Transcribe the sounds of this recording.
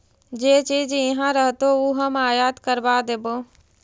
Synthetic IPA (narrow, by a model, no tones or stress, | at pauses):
d͡ʒeːt͡ʃiːd͡ʒɪɦãɾəɦt̪ouɦəmaːjaːd̪kəɾbaːd̪eːboː